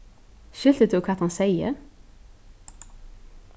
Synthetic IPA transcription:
ʃʏlt̪ət̪ːkʰɑːt̪hɑnsæɪə̰ɾ

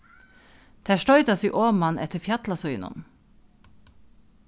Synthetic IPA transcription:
d̪̥ʰæːʃtœʏd̪ɑsiːʔoːmɑnʔɛt̪əfjɑt̪lɑsœʏnʊ̰n

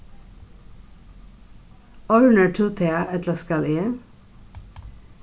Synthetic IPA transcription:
ɔɹʉɳəʈʰuːt̪ʰeɑʔɛt̪ləskɑleː

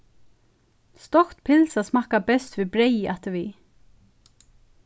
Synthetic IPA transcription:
st̪ɔkt̪pʰɪlsasmakapɛst̪vibɾejɪʔat̪əvi

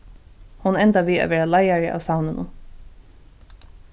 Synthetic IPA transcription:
hʊnɛnt̪aʋiːa̰ʋɛːɹalajaɹɪʔa̰wsawnɪnʔʊ̰n

